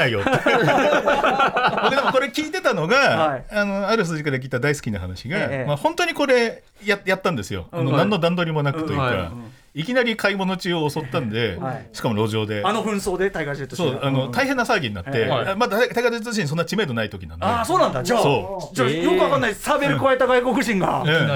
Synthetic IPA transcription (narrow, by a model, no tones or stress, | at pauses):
aijot̪ːe | oded̪emoko̞ɾe̞kʲiːt̪e̞t̪ano̞ɡaaano̞aɾɯ̟ɸɯ̟sɨʑikaɾak̬ʲiːt̪ːad̪aisɨ̥kʲina̰hanaɕiɡamahõ̞nt̪o̞ɲ̟iko̞ɾe̞ | jajat̪ːãnd̪e̞sɨjo̞̰ano̞nãnːo̞d̪ãnd̪o̞ɾʲimo̞nakɯ̟t̪o̞jɯ̰ka̰ | ikʲinaɾʲikʰaimo̞no̞t͡ɕɨːoːso̞t̪ːãnd̪e̞ɕi̥kamo̞ɾo̞ːʑo̞ːd̪e̞ano̞ɸɯ̟̃ɰ̃so̞ːd̪e̞t̪aiɡad͡ʑit̪osoːano̞t̪aiɦẽ̞nːasaːɡʲiɲ̟ina̰t̪ːe̞amad̪at̪aiɡat͡ɕ̪ːoɕiɲːis̬o̞nːat͡ɕime̞d̪o̞nait̪o̞kʲinãndasoːnãnd̪ad͡ʑaso̞ːd͡ʑajokɯβakanːaisabeɾɯkɯβaet̪aɡajko̞kɯ̟ʑĩŋɡa̰ɯ̃ː